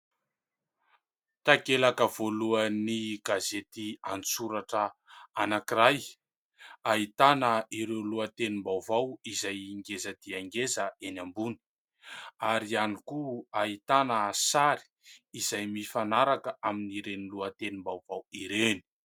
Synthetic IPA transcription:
t̪akelakəv̥oluəniɡazet̪ianit͡suɾaʈ͡ʂəanakiɾaj | aɦit̪anəiɾewluət̪enimbawvawizajiŋɡezəd̪̥iaŋɡezəenambuni̥ | aɾianikuait̪anəsaɾi̥izajmifanaɾakəaminiɾeniluət̪enimbawvawiɾeni̥

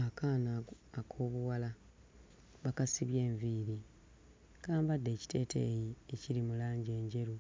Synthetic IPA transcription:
akaːnaː | kʰo̞ːβuwala | βakasiβje̞ːɱviːɾi | kaːmbadːe̞ːci̥te̞ːtʰḛjieciɾimulaːɲɟe̞ːɲɟe̞ɾu

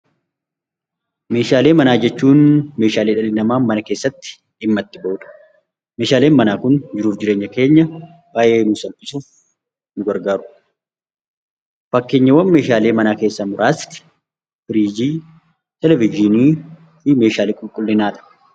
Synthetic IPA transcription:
me̞ːʃaːle̞ːmɐnaːd͡ʒɛt͡ʃːuːnmeːʃaːleːᶑɐlɪnɐmaːmɐnɐke̞ːsːɐt̪ːɪ̥ | ɪmːɐt̪ːɪbɐʔʊːᶑɐ̥ | me̞ːʃaːle̞ːnmɐnaːkʊnd͡ʒɪɾuːfd͡ʒɪɾe̞ːɲːɐke̞ːɲːɐ | b̥aːjʔe̞ːnusɐlpʼɪsuːf | nʊɡɐɾɡaːɾʊ | fɐkːeːɲːɐwɐnme̞ːʃaːle̞ːmɐnaːke̞ːsːɐmʊɾʔaːst̪ɪ̥ | fɪɾiːd͡ʒiː | t̪ɛlɛvɪd͡ʒɪniː | ɪme̞ːʃaːliːkʼʊlkʼʊlːɪnaːᶑ̪ɐ̥

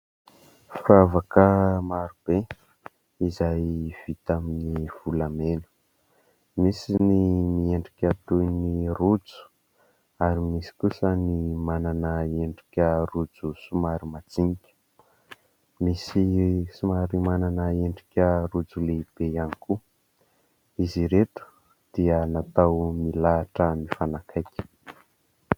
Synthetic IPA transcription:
fravakəmaɾub̥e | izajv̥it̪aminiv̥ulamenu̥ | misinimieɳɖ͡ʐikʲat̪ujnirud͡zu̥ | aɾimisi̥kusənimananaeɳɖ͡ʐi̥kʲərud͡zusumaɾimad͡ziŋikʲə̥ | misisumaɾimananəeɳɖ͡ʐikʲərud͡zuleib̥eaniku | iziɾeʈ͡ʂu̥ | d̪̥iənat̪awmilaːʈ͡ʂəmifanakʰajkʲə̥

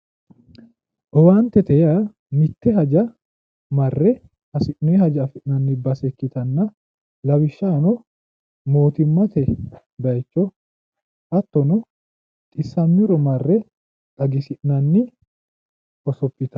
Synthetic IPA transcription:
ʔɔwaːnt̪ːɛt̪ɛjɐ | mɪt̪ːɛɦɐd͡ʒɐ | mɐrːɛ | ɐsɪʔnɔɛhɐd͡ʒɐɐfɪʔnɐnːɪbɐsɛkːɪt̪ɐnːɐ | lɐwɪʃːanɔ | moːt̪ɪmːɐt̪ɛ | d̪ɐjt͡ʃːɔ | ʔɐt̪ːɔnɔ | t̪ʼɪsːɐmːɪɾɔmɐrːɛ | ʔɐɡɪsɪʔnɐnːɪ | ʔɔsɔpʼːɪt̪ɐ̥

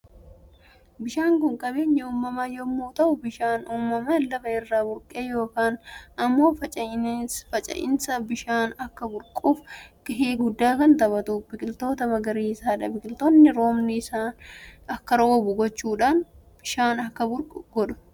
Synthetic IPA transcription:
bɪʃaːŋkʊŋkʼɐbe̞ːɲːɐuːmːɐmajɔmːoːt̪ɐʔʊbɪʃaːnuːmːɐmɐlɐfɐɪrːaːbʊɾkʼeːjo̞ːkaːnɐmːo̞ːfɐt͡ʃʼfɐt͡ʃʼɐ̰ʔɪ̰nsɐbɪʃaːnɐkːɐbʊɾkʼuːfɡɪɦeːɡʊd̪ːaːkɐnt̪ɐβɐt̪uːbɪkʼɪlt̪o̞ːt̪ɐmɐɡɐɾiːɪsaːᶑɐbɪkʼɪlt̪onːɪɾo̞ːmnɪɪsaːnɐkːɐɾoːbʊɡɔt͡ʃːuːᶑaːn | b̥ɪʃaːnɐkːɐbʊɾkʼʊɡɔᶑʊ̥

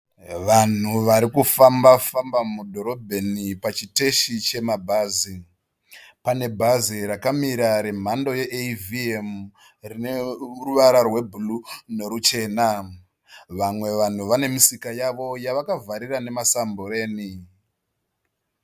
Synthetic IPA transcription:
ʋan̤uʋaɾikufambafambamudʱo̞ɾo̞bʱenipat͡ʃite̞ʃit͡ʃe̞mabʱaːzi | pane̞bʱaziɾakamiɾaɾe̞m̤ando̞je̞ʔeviem | rineuruʋaɾarwe̞bʱulune̞ɾut͡ʃe̞ːna | ʋamwe̞ʋan̤uʋane̞misikajaʋo̞jaʋakavʱaɾirane̞masamboɾe̞ːni

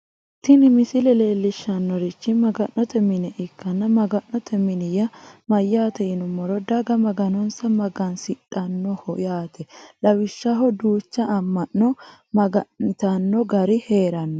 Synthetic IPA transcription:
t̪ːɪnɪmɪsɪlɛle̞ːlːɪʃːɐnːɔɾɪt͡ʃːɪmɐɡɐnːɔt̪ɛmɪnɛʔɪkːɐnːɐmɐɡɐnːɔt̪ʰɛmɪnɪjɐmɐjːaːt̪ɛɪnʊmːɔɾɔd̪ɐɡɐmɐɡɐnɔnsɐmɐɡɐnsɪᶑɐnːɔhɔjaːt̪ʰɛlɐwɪʃːɐɦɔd̪uːt͡ʃːɐːmːɐnːɔmɐɡɐt̪ɐnːɔɡɐɾɪhe̞ːɾɐnːɔ

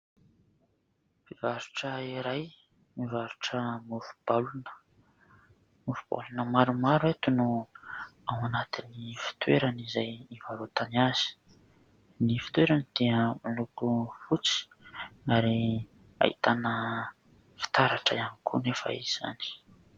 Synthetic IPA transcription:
vivaɾuʈ͡ʂəiɾaj | mivaɾuʈ͡ʂəmufu̥b̥alunə̥ | mufub̥a̰lunəmaɾumaɾuat̪unu | awanat̪inifi̥t̪weɾanizajivaɾot̪aniaz̥i̥ | nifi̥t̪weɾanid̪̥iəmalukufut͡si̥ | aɾi | a̰ḭt̪anə | fi̥t̪aɾaʈ͡ʂaanikʰunefa̰ḭz̥a̰ni̥

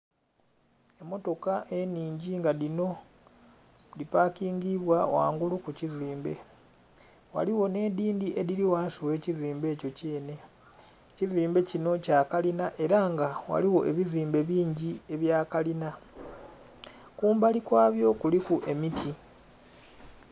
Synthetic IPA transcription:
e̞mːo̞to̞kaʔe̞niːɲɟiŋɡaðino̞ | lipaːkiːŋɡiβwawa̰ːŋɡulukuciziːmbe̞ | wa̰liwo̞ne̞diːndiʔe̞diɾiwaːsuwe̞ːciziːmbe̞ːco̞ceːne̞ | ciziːmbe̞cino̞cakalinaʔe̞ɾaŋɡawa̰liwo̞ʔe̞βiziːmbe̞βiːɲɟie̞βjaːkalina | kuːmbalikwaːβjo̞kulikuʔe̞mitʰi

